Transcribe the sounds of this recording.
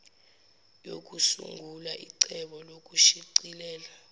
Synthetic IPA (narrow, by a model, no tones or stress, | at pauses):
jo̰k̬ʼusṵŋɡʱulaʔiǀɛɓɔlok̬ʼuʃiǀilɛːla